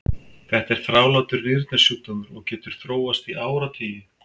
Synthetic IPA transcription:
θɛht̪aɛɾ̥θɾaːwlaːt̪ʏɾnɪɾt̪nɛsjut̪anʏɾɔɣcɛːt̪ʏɾ̥θɾoːwast̪iʔaːwɾat̪ʰiːjɪ

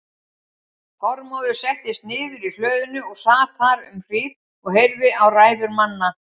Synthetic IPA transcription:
hɔɾmɔwðʏsɛht̪ɪst̪̚nɪːðʏɾil̥œːɥðʏnʏɔɣsaːt̪ʰaɾʏmr̥iːð | ɔɣɦejɾvɪawraːjðʏɾmanːa

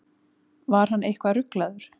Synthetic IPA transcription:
vaɾ̥ɦanʔejhkvaɾʏklaðʏɾ̥

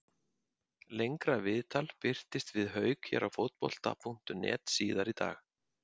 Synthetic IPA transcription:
lejŋkɾavɪðt̪ʰalpɪr̥t̪ɪst̪vɪðɦœːɥkçɛ̰ɾawfowt̪̚pɔ̰l̥t̪a̰pʰun̥t̪ʏnɛ̰ːt̪siːðaɾit̪a̰ːx

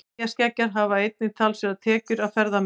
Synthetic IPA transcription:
ascɛcːaɾ̥ɦavaejt̪̚nɪt̪ʰaːlsvɛðat̪ʰɛːcʏɾawfɛɾðam

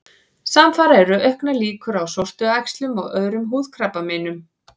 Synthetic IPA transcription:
samfaːɾaɛɾʏʔœhknaliːkʏɾawsɔwr̥t̪ʏajkst̪lʏmɔ̰ɣœːðɾʏmɦuːð̥kʰɾapːamɪːnʏm

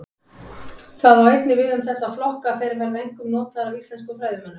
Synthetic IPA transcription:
θaðvawejt̪nɪvɪðʏmθɛsːaflɔhkafɛɾɪɾvɛɾðaejŋ̥kʏmnoːwt̪aðɾavist̪lɛnskʏfɾaːjðʏmɛnːʏ

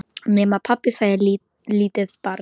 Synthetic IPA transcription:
nɛmapʰapɪsajal | liːt̪ɪðpaɾ

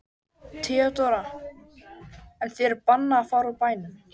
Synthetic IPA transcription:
t̪ʰɪat̪ɔɾa | ɛnθɛɛɾpanːaːfawɾapaːjnʏm

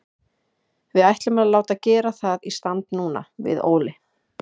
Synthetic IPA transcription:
vɪðajht̪lʏmɛðalaːwt̪aðcɛːɾaθaðist̪ant̪nuːna̰vɪ̰ðo̰ːwlɪ

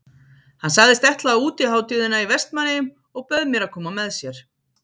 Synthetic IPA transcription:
hansaɣðɪst̪ɛht̪laauːt̪ɪhaːwt̪ɪðɪnaivɛst̪manːɪʏm | ɔɣpœðmjɛɾakʰɔːmamɛðsjɛɾ̥

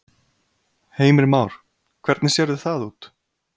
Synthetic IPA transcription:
heːjmɪɾmaːwɾ̥ | kʰvɛɾt̪nɪsjɛɾðʏθaðuːt̪

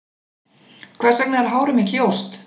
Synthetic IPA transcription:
kʰv̥ɛ̥ːsɛk̚naɛɾ̥ɦaːwɾʏmicʰowst̪

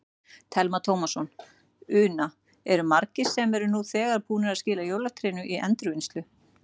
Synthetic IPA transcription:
t̪ʰɛlmat̪ʰowmasɔn | ʏːna | ɛɾʏmaɾcɪsːɛmɛɾʏnuθɛːɣaɾ̥puːnɪɾaðscɪːlajowlat̪ʰɾɪːnʏʔiʔɛnt̪ɾʏvɪnst̪lʏ

